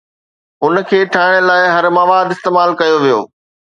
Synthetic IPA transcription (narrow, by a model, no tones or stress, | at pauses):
ɦʊn̆kʰeːʈʰaːɪɽ̃əlaːɪɦɐɾmaːʋaːd̪ɪst̪eːmaːlkɐjoʋijo̰ː